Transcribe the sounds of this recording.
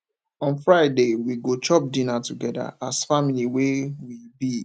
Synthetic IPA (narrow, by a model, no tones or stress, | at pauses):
ɔ̃nfɹaɪdewiɡot͡ʃɔp̚dĩnatuɡɛda̰asfamiliwewibi